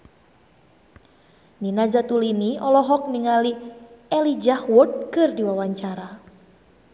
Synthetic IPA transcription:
ninazat̪uliniɔlɔɦɔk̚miŋaliɛlid͡ʒahwɔd̚kɨrdiwawaɲt͡ʃaɾa

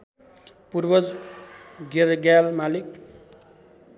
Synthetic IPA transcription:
purbʌd͡z | ɡeɾɡalmalik̚

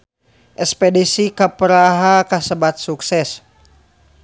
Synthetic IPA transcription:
ʔɛspedisikapəɾaɦakasəbat̪̚suksɛs

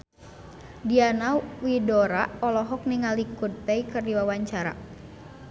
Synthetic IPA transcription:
dianawidɔɾaɔlɔɦɔk̚niŋalikud̚pɛikərdiwawaɲt͡ʃaɾa̰

